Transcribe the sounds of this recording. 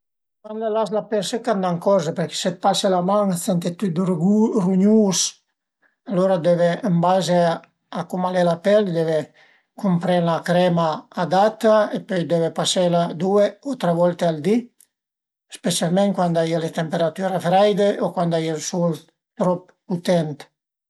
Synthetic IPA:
manlelaslapɛɾsekand̪aŋkɔzepeɾke̥set̪̚paselamaŋsɛnt̪et̪yɡuruɲus | aloɾad̪ɛveəmbaze | akumalelapɛld̪ɛve | kumpɾɛnlakɾɛmaːd̪at̪aepœjd̪ɛvepaselad̪ueot̪ɾevɔlt̪eald̪i | spesjalmɛ̃ŋkwand̪ajalet̪empeɾat̪yɾafɾajd̪eʔokwand̪ajelsul | t̪ɾɔp | ut̪ɛnt̪

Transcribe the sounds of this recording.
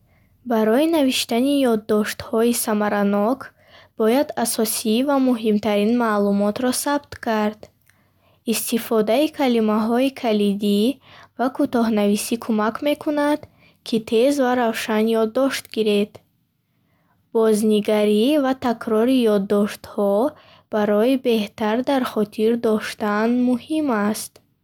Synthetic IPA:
baɾɔinaviʃt̪anijɔd̪ːɔʃt̪hɔisamaɾanɔkʰ | b̥ɔjad̪asɔsivamuɦimt̪ʰaɾinmaːlumɔt̪ɾɔsabt̪kʰaɾd̪̥ | ist̪ifɔd̪aikʰalimaɦɔikʰalid̪ivakʰut̪ɔɦnavisikʰumakʰme̞kʰunad̪ | kʰit̪ʰe̞zvaɾavʃanjɔd̪ːɔʃt̪ɡiɾed̪̥ | b̥ɔzniɡaɾivat̪ʰakʰɾɔɾijɔd̪ːɔʃt̪hɔ | b̥aɾɔibe̞ht̪aɾd̪aɾχɔt̪ʰiɾd̪ɔʃt̪anmuhimast̪

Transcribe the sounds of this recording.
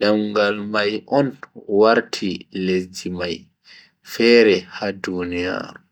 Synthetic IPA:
ɗamɡalmajʔɔnwaɾtʰiled͡ʒimaj | fɛːɾɛhadunija̰ːɾu

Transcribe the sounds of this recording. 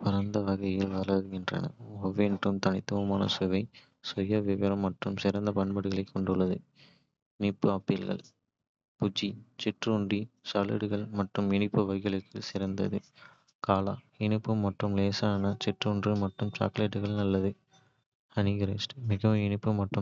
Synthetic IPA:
pʊɾɐnd̪ɐʋɐɣɐjɪlʋɐɾɐðɯɣɪndrɐ̰nɐ̰ɔʋeːɳʈːɯmt̪ɐnɪt̪ːɯʋɐmaːnɐ̰sʊʋɐɪ | sʊjɐʋɪʋɐɾɐmːɐʈrɯmsɪɾɐnd̪ɐpɐɳbɐɽɯɣɐɭɐɪkːɔɳɖɯɭːɐðɯ | ɪnɪpːɯaːpɪlɣɐ̰ɭ | pʊd͡ʒːit͡ʃɪʈrʊɳdrisɐːlɪ̰ɽɯɣɐɭmɐʈrɯmɪɳɪpːɯʋɐjɣɪɭɯkʰːɯsɪɾɐnd̪ɐðɯ | kaːla̰ | ɪɳɪpːɯmːɐʈrɯmleːsaːnɐt͡ʃɪʈrɯːɳdrimɐʈːɯmt͡ʃa̰ːkleːʈːɯɣɐɭnɐlːɐðɯ | ɐnɪɣɪɾɐsʈɯmɪɣɐʋɪnɪpːɯmːɐʈrɯm

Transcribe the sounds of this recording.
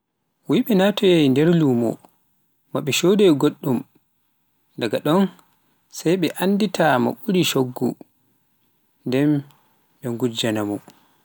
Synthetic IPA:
wiɓɛnatɔjajndɛɾluːmɔ̰ | maɓɛʃodɛɡoɗːum | ndaɡaɗɔn | sajɓɛʔanːditama̰ɓuɾiʃoɡːṵ | ndɛm | ɓɛŋɡud͡ʒanamɔ

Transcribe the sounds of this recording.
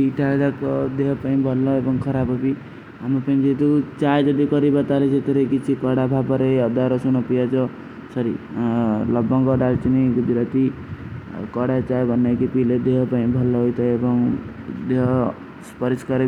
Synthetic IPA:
iʈad̪akɔd̪eɦpaĩbʱʌlːɔebɔŋkʰʌɾabɔpi | ɦamɾupaĩd͡ʒet̪ut͡ʃajd͡ʒʌd̪ikʌɾibʌt̪alet͡ʃʰet̪eɾekit͡ʃʰikɔɽabʱabɔɾeʌd̪aɾɔsunɔpijat͡ʃʰɔ | sʌɾḭ | lʌbɔŋkɔɖalt͡ʃiniɡud͡ʒɾat̪i | kɔɽat͡ʃajbʱʌnːekipiled̪eɦpaĩbʱʌlːɔɦojt̪ʰaebɔŋd̪eɦ | spʌɾiskaɾe

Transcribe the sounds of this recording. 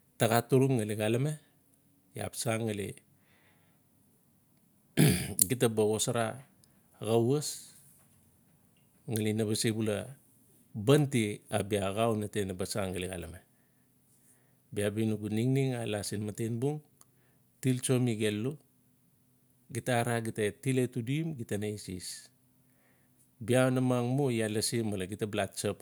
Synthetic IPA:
taɡatuɾuŋŋaliɡalame | ja̰psaŋːalḭ | ɡit̬abaɡosaɾa | ɡawas | ŋalinaβasibula | bantiabiaɣawnatenabasaŋːaliɡa̰lame | biabinuɡuniŋniŋalasinmatenbuŋ | tilt͡ʃo̞miɡe̞lːu | ɡitaɾaɡitatiletuduimɡitanaisis | biaonamaŋmojalasimalaɡitablat̚t͡ʃap

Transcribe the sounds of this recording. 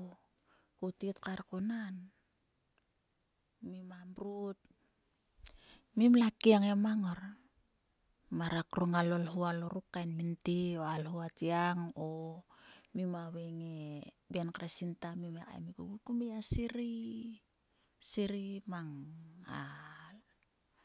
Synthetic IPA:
o | kutitkaɾkunan | mimambɾut̚ | mimlakiaŋemaŋoɾ | maɾakɾuŋalolɦualoɾukːajnmintioalhuatiaŋo | mimaweŋe | benkɾasintamimeka̰mikuɡukumiasiɾi | siɾimaŋal

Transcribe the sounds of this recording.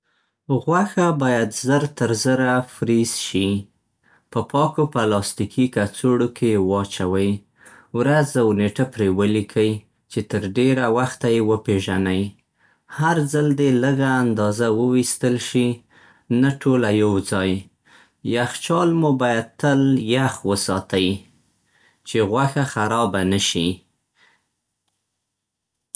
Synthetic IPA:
ɣwaxabɑjad̪zəɾt̪əɾzəɾafɾisʃi | pəpɑkopəlɑst̪ikʰikat͡soɽokʰewɑt͡ʃawəj | wɾazawneʈapɾewəlikʰəj | t͡ʃet̪əɾɖeɾawaxt̪ajewəpeʒanaj | haɾzald̪eləɡaːnd̪ɑzawəwist̪əlʃi | naʈʰolajawd͡zɑj | jaxt͡ʃɑlmubɑjad̪̚t̪əljaxwəsɑt̪aji | t͡ʃeɣwaxaxaɾɑbanəʃi

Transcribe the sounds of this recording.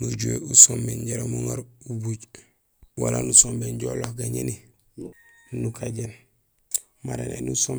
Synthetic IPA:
nuɟueusombeɲɟaɾomoŋaɾubuɟ | walanusombeɲɟolohɡaɲeni | nukʰaɟen | maɾḛnḛnusom

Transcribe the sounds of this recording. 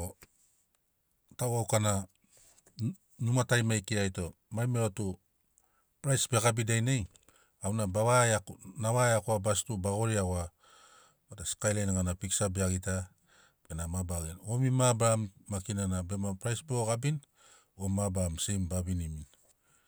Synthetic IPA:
o | tawawkana | numatajmajkiajto̞ | majmeotu | pɾajsbe̞kabidajnej | awnabaβajanawajakuabastubaɡo̞ɾiaɡoa | bataskajlajnaŋanapiksabeaɡita | penamabaɡino̞mimabɾamːakinanabemapɾajsbeoɡabin | omabamsejmbabinimin

